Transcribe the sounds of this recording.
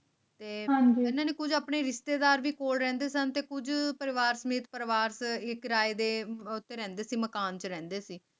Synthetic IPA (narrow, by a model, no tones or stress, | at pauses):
t̪eːɦãd͡ʒiɪnãːneːkʊd͡ʒaːpɳeːɾɪʃt̪eːd̪aːɾʋiːkoːlɾɛ̃ːnd̪eːsənt̪eːkʊd͡ʒpəɾɪʋaːɾsəmeːt̪pəɾʋaːɾsɪkɾaːeːd̪eːʊt̪ːeːɾɛ̃ːnd̪eːsiːməkaːnt͡ʃəɾɛ̃ːnd̪eːsiː